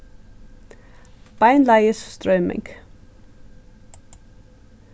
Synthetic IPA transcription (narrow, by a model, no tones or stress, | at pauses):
b̥aɪnlaɪəsstɹɔʏmɪ̰̃ŋɡ